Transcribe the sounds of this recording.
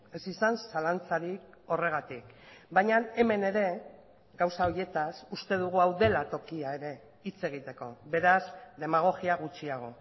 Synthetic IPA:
e̞sisansalant͡saɾik | o̞re̞ɣ̞at̪ikbajɲane̞me̞ne̞ɾe̞ | ɡawsao̞ɾje̞t̪asust̪e̞ð̞uɣ̞uawðe̞lat̪o̞kiae̞ɾe̞ | it͡se̞ɣ̞it̪e̞ko̞̰βe̞ɾazd̪e̞maɣ̞o̞ɣiaɣ̞ut͡ʃiaɣ̞o̞

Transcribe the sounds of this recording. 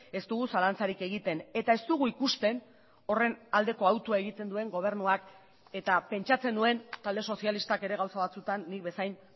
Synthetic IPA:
e̞st̪uɣusalant͡saɾike̞ɣ̞it̪e̞ne̞t̪ae̞st̪uɣuikust̪e̞n | o̞re̞nald̪e̞ko̞awt̪uae̞ɣit̪e̞nd̪ue̞ŋɡo̞β̞e̞ɾnuak | e̞t̪ape̞nt͡ʃat͡se̞nue̞nt̪ald̪e̞so̞sialist̪ake̞ɾe̞ɣ̞awsaβat͡sut̪anːik̚be̞sajn

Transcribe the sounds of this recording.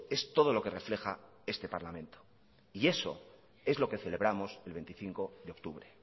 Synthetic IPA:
e̞st̪o̞ð̞o̞lo̞ke̞re̞fle̞xa | e̞st̪e̞paɾlamẽ̞nt̪o | ie̞so̞̰ | e̞zlo̞ke̞θe̞le̞βɾamo̞se̞lβe̞nt̪iθiŋko̞ðeo̞kt̪uβɾe̞

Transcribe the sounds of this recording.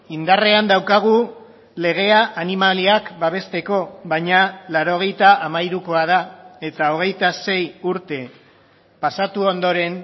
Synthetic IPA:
ind̪are̞and̪awkaɣ̞u | le̞ɣ̞e̞aʔanimaliakbaβ̞e̞st̪e̞ko̞βajɲalaɾo̞ɣ̞e̞jt̪aʔamaiɾuko̞að̞ae̞t̪ao̞ɣ̞e̞jt̪ase̞juɾt̪e̞ | pasat̪uo̞nd̪o̞ɾe̞n

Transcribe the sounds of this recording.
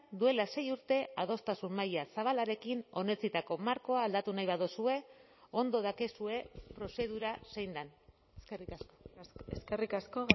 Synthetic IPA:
d̪ue̞lase̞juɾt̪e̞aðo̞st̪asummajasaβ̞alaɾe̞kino̞ne̞t͡sit̪ako̞maɾko̞aːld̪at̪unajβaðosue̞ | o̞nd̪o̞ð̞akesue̞pɾo̞se̞ðuɾase̞jnd̪an | eskerikasko̥eskerikasko

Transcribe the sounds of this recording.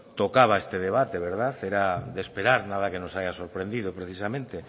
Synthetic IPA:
t̪okaβaest̪eðeβat̪eβ̞eɾðaθeɾad̪espeɾaɾnaðakenosajasoɾpɾend̪iðopɾeθisamẽnt̪e

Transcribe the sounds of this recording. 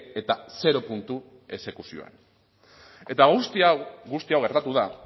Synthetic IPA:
e̞t̪ase̞ɾo̞punt̪u | e̞se̞kusio̞̰ḛn | e̞t̪aɣust̪iaɣust̪iawɣe̞ɾt̪at̪uða

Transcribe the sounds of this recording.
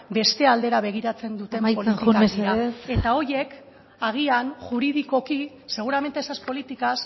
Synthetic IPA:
be̞st̪e̞ald̪e̞ɾaβe̞ɣ̞iɾat͡se̞nd̪ut̪e̞mpoliikaɾiae̞t̪ao̞je̞k | aɣ̞ianʝuɾiðiko̞ki | se̞ɣ̞uɾame̞nt̪esaspo̞lit̪ikas

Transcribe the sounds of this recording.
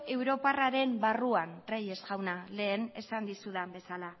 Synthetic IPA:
e̞wɾo̞paraɾe̞mbaruanreje̞sɣawnale̞ːne̞sand̪isuðambe̞sala

